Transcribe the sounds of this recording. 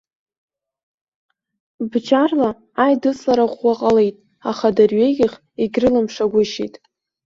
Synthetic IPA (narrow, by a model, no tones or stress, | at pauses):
bd͡ʒarla | ajdɨsʼaɾaχʷːaqʼalejtʼ | aχadarɥejɡʲɪχ | iɡʲrɨlamʂaɡʷʊʃḭjtʼ